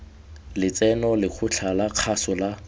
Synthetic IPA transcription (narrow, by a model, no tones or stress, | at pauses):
lɪt͡sɛnɔlɪk͡xʰʊt͡ɬʰalaq͡χʰasɔla